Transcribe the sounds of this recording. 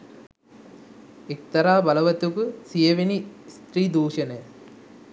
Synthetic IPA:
ek̚t̪ɐɾaːbɐlɐʋɐt̪ːukusijɐʋinist̪ɾiːd̪uːʂɐne

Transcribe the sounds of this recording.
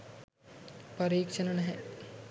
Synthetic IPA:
pɐɾiːkʃənənɛɦɛ

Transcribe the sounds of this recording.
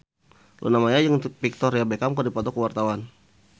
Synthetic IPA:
lʔo̰namaɲajəŋpik̚t̪ɔrjabekamkɔdipɔt̪ɔkəwart̪awan

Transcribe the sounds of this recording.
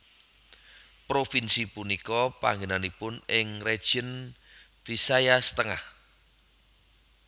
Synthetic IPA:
pɾofinsipunikɔpa̰ŋɡenanipʊnɪŋred̥ʒ̥ən | fisajasə̥t̪əŋa̰h

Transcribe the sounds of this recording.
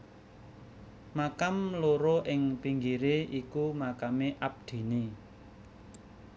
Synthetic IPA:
makamloɾoʔɪŋpiŋɡiɾeʔikumakameʔap̚d̪̥i̤ni

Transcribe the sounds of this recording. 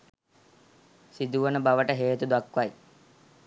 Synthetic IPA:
sid̪uʋənəbaʋəʈəɦeːt̪ud̪akʋaj

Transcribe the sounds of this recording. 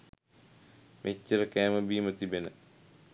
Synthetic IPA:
mʔet͡ʃːəɾəkæːməbiːmət̪ibenə

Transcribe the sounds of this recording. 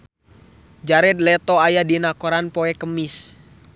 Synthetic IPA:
d͡ʒaɾɛt̪̚lɛt̪ɔajadinakɔɾanpɔɛkəmis

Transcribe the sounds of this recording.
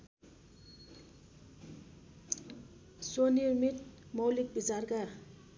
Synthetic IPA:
sonirmit̪̚mowlik̚bid͡zarka

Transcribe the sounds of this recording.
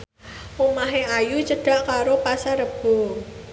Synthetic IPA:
omaɦeajut͡ʃəɖ̥a̤ʔkaɾopasaɾəb̥o̤ŋ

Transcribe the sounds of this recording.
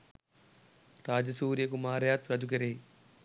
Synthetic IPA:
ɾaːd͡ʒɐsuːɾjɐkumaːɾjaːt̪ɾɐd͡ʒukeɾeː

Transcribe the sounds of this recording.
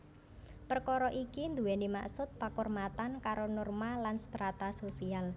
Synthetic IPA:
pərkɔɾɔʔikind̪uwɛnima̰ksʊt̪̚pakɔrmat̪ankaɾonɔrmalanst̪ɾat̪asosial

